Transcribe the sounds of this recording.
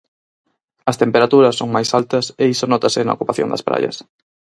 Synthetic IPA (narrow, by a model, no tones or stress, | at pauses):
ɐst̪empeɾat̪uɾɐsːoŋmajsalt̪ɐseisonɔt̪ɐsɪnɐ̰o̰kupaθjo̰ŋd̪ɐspɾa̰ʎɐ̰s